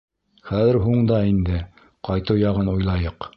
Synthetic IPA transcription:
χæðɘ̆ɾɦuɴd̪ɑind̪ɘ | qɑjt̪ɤwjɑʁɤnujlˠɑjɤq

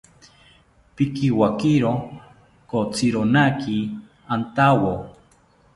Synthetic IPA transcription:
pikiwakiɾo | kot͡siɾonaki | ant̪awo

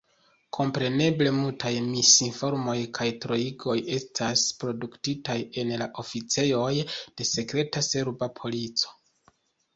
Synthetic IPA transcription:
kʰo̞mpɾe̞ne̞ble̞multajmisinfo̞ɾmo̞jkʰajtɾo̞iɡo̞je̞stʰaspɾo̞duktitaje̞nlaʔo̞fit͡se̞jo̞jd̥e̞se̞kɾe̞tase̞ɾbapʰo̞lit͡so̥

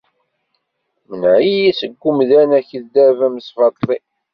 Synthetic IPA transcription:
mənʕijisəɡʷːumðænæçəðd̪ævæməsfɑt̪ˤlˤi

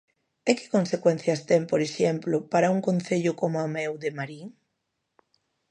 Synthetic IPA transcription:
ekɪ̥konsekwɛn̟θjɐst̪ɛmpoɾeʃemplopaɾauŋkõn̟θeʎʊkomoamewðemaɾiŋ

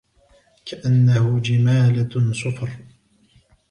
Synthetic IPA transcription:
kaʔanːahʊd͡ʒɪmaːlasʊfɑɾ

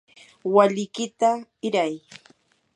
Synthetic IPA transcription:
waʎɪkɪt̪aɪɾaj

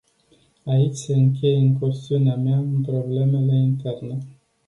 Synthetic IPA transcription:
ait͡ʃʲse̞ɨŋk̬ʲe̞jɨŋkost̪iuneameaɨnpɾo̞ble̞me̞le̞int̪e̞rne

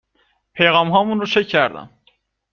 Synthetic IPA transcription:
pʰejɣɑmɦɒːmunɾot͡ʃʰecʰːæɾd̪æ̰n

